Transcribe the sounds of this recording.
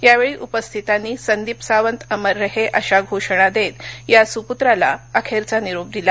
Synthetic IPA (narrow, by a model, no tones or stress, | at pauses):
jaʋeɭiːʔupəst̪ʰit̪anːiːsənd̪ipsaʋənt̪əməɾːəɦeʔəɕaɡʱoʂɳ̃ad̪et̪jasuput̪ɾala̰əkʰeɾt͡saniɾub̚d̪ila